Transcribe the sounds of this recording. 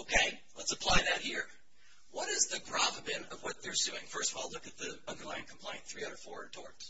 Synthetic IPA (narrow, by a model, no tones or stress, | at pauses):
oʊkʰeɪ | lətsəpʰl̥aɪðɨt̚hiɹ | wʌɾɨzðɨɡʰɹ̥ɑvəbɪ̃nʌvwʌt̪̚ðə˞sʉɪ̰̃ŋfɜ˞stvɔlʊkɨt̪̚ðiʌ̃ndə˞laɪɨ̃nkʰm̩pʰl̥ẽɪ̃nθɹiʌɾə˞fɔɹɨtʰɔ̰ɹt